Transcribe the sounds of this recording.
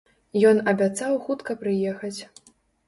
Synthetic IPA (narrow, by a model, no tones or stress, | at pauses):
jɔnɐbʲat̪sawxut̪kɐpɾɨjɛxɐt͡sʲ